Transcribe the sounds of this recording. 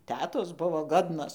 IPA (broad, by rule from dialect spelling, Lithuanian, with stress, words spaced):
ˈtʲæːtoːs ˈbʊʋoː ˈɡoːdnoːs